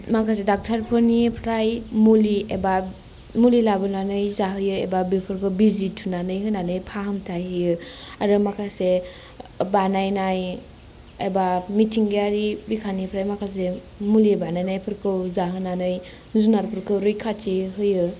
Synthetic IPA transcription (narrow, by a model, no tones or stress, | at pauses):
makʰas̬edak̚tʰaɾpʰɯnipʰɾajmulieba | mulilabɯnanɯjzaɦɯjɯebabipʰɯɾkʰɯwbizitʰunanɯjɦɯjnanɯjpʰaɦamtʰajhɯjɯaɾɯmakʰase | banajnaj | ebamitʰiŋɡejaɾibikʰanipʰɾajmakʰas̬e | mulibanajnajpʰɯɾkʰɯwzaɦɯnanɯj | zunaɾpʰɯɾkʰɯwɾɯjkʰat͡ʃiɦɯjɯ